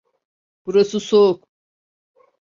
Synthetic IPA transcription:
b̥uɾasɯsok

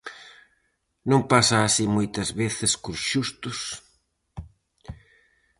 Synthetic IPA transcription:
nõmpasaːsimojt̪ɐzβeθɪskoɾʃust̪ʊs

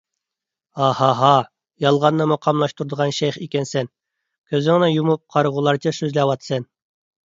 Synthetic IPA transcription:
ɑhɑɦɑ | jɑlˠʁɑnːɑmoqʰɑmlˠɑʃt̪ʰuɾd̪əʁɑnʃɛjχikʲɛnsɛn | kʲʰøzɪŋnɨjumup̚qʰɑɾʁulˠɑɾt͡ʃʰɑsøzlæwɑt̪sɨn

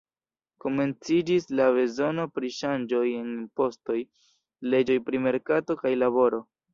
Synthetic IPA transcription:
ko̞me̞nt͡sid͡ʒislave̞zo̞no̞pɾiʃand͡ʒo̞je̞nipo̞sto̞j | le̞d͡ʒo̞jpɾime̞ɾkato̞kajlaβo̞ɾo̞

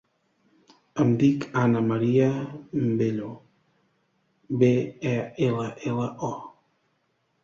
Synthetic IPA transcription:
amd̪ikʰanamaɾiambeʎo | beɛelaʔelaʔɔ

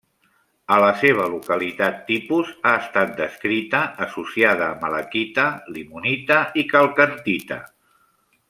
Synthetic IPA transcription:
ələseβ̞əlukəlit̪at̪ːipuzaəst̪at̪̚d̪əskɾit̪əʔːsusiað̞əːmələ̰kit̪əlimunit̪əikəlˠkənt̪it̪ə̰

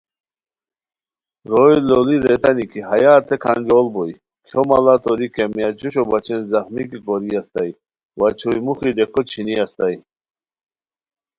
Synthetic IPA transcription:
ɾojloliɾet̪anikʰiɦajaːt̪ʰekʰand͡ʑolbɔj | kʰjomalat̪ɔɾikemiat͡ɕuɕɔbat͡ɕinzaxmikikɔɾiast̪aj | wat͡ɕʰujmuxiɖekʰɔt͡ɕʰiniast̪aj

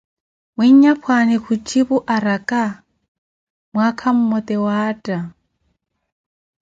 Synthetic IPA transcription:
mwiɲɲapʰwanɪkʰut͡ʃʼiβuʔaɾakʼa | mwakʰam̩mɔt̪ʼɛwaːtʼa

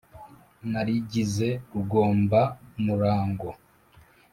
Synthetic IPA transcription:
naɾiɟize̞kuɡo̞ːmbamuɾaːŋɡo

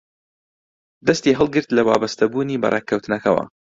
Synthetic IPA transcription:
d̪ɐst̪iːɦɨlˠɡɨɾt̪lɐwa̰ːbɐst̪ɐbuːniːbɐ̰rʔḛkʰːɐwt̪ɨnɐkɐwɐ̰

